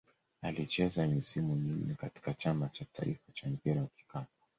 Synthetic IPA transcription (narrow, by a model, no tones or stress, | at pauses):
alit͡ʃɛzamisimumin̩nɛkati̥kat͡ʃamat͡ʃata̰ḭfat͡ʃam̩piɾawaki̥kap̚ḁ